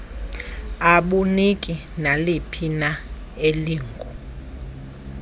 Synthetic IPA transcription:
aɓunikʼi | nalipʰina | eliːŋɡʱɔ

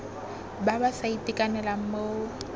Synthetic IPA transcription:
babasaitʼikʼanɛlaŋ̩mo

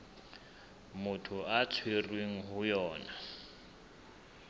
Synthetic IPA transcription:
mʊtʰuat͡sʰwerweŋ̩ɦujɔːna

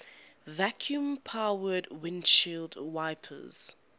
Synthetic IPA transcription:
vakʰjũmpʰawədwɪ̃nʃildwaɪpʰə̰z̥

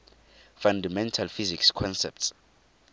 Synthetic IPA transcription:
fandamɛntʰalfizikskʰɔnsɛ̰p̚ts

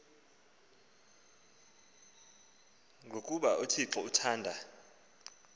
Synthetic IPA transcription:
ŋɡʱokʼuɓaʔotʰiǁɔutʰaːndʱa

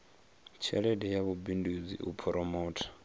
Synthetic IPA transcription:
t͡ʃʰɛ̰ɺɛdɛjaβubindud͡zḭʔupʰɔɾʔɔmɔːtʰḁ

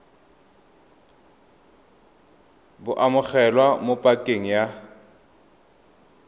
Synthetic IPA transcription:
bʊʔamʊk͡xɛlwamopʼakʼeŋ̩ja

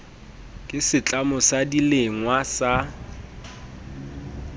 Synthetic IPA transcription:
kʼɪsɪt͡ɬʼamʊsadileŋwasa

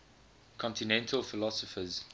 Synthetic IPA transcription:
kʰɔ̃ntinɛ̃ntʰəlfɪlɔsəfəz

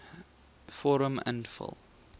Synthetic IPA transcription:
fɔɹə̃mə̰̃ndfɪ̰lˠ

